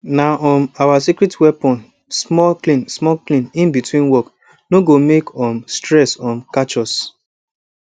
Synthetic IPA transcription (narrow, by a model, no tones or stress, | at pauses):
naʔɔmawasikɾitwɛpɔ̃n | smɔklĩnsmɔklĩnĩnbitwĩnwɔk | noɡomekʰɔ̃mstɹɛsɔ̃mkat͡ʃɔs